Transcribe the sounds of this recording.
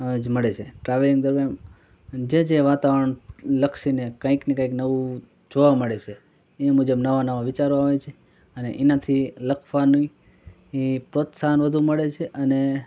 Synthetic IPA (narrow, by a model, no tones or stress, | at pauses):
d͡ʒməɭet͡ʃʰeʈɾaʋliŋd̪əɾmjam | d͡ʒed͡ʒeʋat̪aʋəɾəɳləkʃinekə̃ĩknekãĩknəʋũ | d͡ʒoʋaməɭet͡ʃʰe | emud͡ʒəbnəʋanəʋaʋɪt͡ʃaɾoaɦoʋet͡ʃʰe | əneʔɛnat̪ʰiləkʰʋani | epɾot̪sanʋəd̪ʱuməɭet͡ʃʰeʔəne